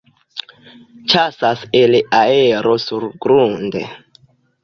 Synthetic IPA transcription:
t͡ʃasaseleʔaɛɾɔsurɡɾundɛ̰

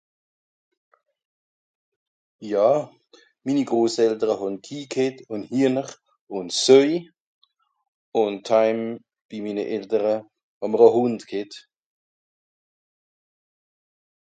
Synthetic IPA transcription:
jaː | miːniɡʁoːsɛltəʁəɦɔnkʰiːkʰɪtʊnhiːnəχ | ʊntsøʏ | ʊntʰːaɪm | b̥imiːnəʔɛltəʁə | hɔməʁəɦʊndkʰɪt

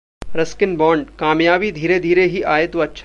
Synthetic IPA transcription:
ɾɐskɪnbɔːɳɖkaːmjaːbid̪ʱiːɾed̪ʱiːɾeɦiʔaːet̪oɐtːʃʰ

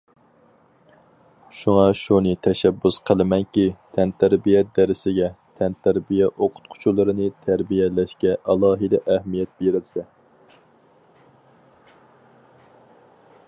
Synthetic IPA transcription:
ʃuŋɑʃunɨt̪ʰɛʃɛbːusqʰəlˠɪmɛŋkʲit̪ʰɛnt̪ʰæɾbijɛd̪ɛɾɪsɪɡʲɛt̪ʰɛnt̪ʰæɾbijɛʔoqʰʊ̥t̪̚qʰʊ̥t͡ʃʰulˠɨɾɨnɨt̪ʰæɾbijɛlɛʃkʲɛʔɑlˠɑːɦɨd̪ɛʔæhmijɛt̪̚beɾɪlsɛ

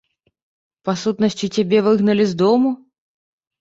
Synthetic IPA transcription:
pasut̪nəsʲtʲitʲabʲevɨɣnɐlʲɪzd̪ɔmu

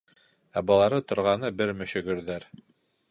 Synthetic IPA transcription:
æbɑlˠɑɾɤt̪ŏɾʁɑnɤbɘɾmɘ̆ʃɵ̆ɡɵ̆ɾðæɾ

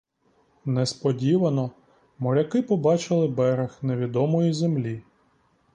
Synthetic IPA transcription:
nɛspɔdʲiʋɐnɔ | mɔɾʲɐkɪpɔbɑt͡ʃɪlˠɪbɛɾexneʋʲid̪ɔmɔjizemlʲi

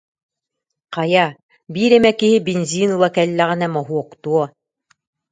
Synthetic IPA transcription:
qɑjɑ | biɾæmækihɘbinʲzʲinulˠɑkælʲːæʁɘ̆næmɒɦuoqt̪uɔ

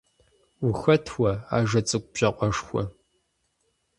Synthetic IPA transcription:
ʊxɐtʰwɐa̰ːʒɐt͡sʼɨkʷʼb̥ʒ̥ɐqʷʼɔʂxʷɔ̰

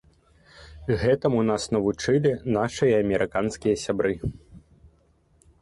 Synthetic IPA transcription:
ɣɛt̪ɐmun̪asnɐvut͡ʂɨlʲinaʂɨjɐɐmʲɛɾʔɨkanskʲijɐsʲabɾɨ

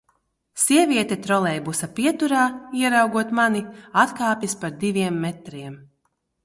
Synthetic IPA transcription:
siɛvʲiɛt̪ɛt̪ɾɔlˠɛjbusapʲiɛt̪uɾaːiɛɾawɡuɔt̪maniat̪kaːpʲjispaɾd̪ivʲiɛmːɛt̪ɾiɛm

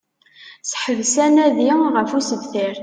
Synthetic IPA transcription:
sħəvsænæðiʁəfusəðθiɾ

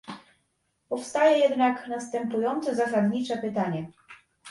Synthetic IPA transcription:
pɔfst̪ajɛjɛd̪naknast̪ɛmpujɔnt̪sɛzas̬ad̪ɲit͡ʂɛpɘt̪aɲɛ

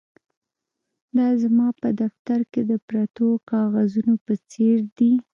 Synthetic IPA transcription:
d̪ɑzamɑpəd̪aft̪aɾked̪əpɾat̪okɑɣazunopət͡seɾd̪i

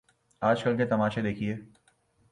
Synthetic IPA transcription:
aːd͡ʒkɐlket̪ɐmaːʃed̪eːkʰieː

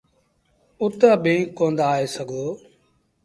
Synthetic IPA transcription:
ʊt̪aːbẽːŋkːõːnd̪aːeːsəɡʱoː

